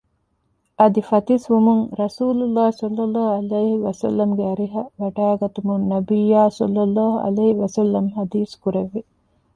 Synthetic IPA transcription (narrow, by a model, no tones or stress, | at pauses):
ɐd̪ifɐt̪isʋumuŋɾɐsuːlulːaːhsɐlːɐlːɑːɦɐleːhiʋɐsɐ̰lːɐmɡeɐɾiɦɐʋɐʈaːɡɐt̪umunnɐbijaːsɔ̰lːɐlːaːɦuɐ̰leːiʋɐsɐlːɐmɦɐd̪iːskuɾeʋːe